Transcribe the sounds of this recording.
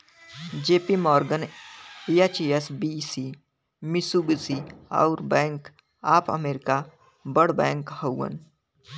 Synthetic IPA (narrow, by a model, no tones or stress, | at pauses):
d͡ʒeːpimɔːɾɡəniat͡ʃiesbisiː | mɪsubsia̰ʊɾbɛ̃ːŋk | aːpʰə̰meːɾɪka | bəɽbɛ̃ːŋkhəwːə̰n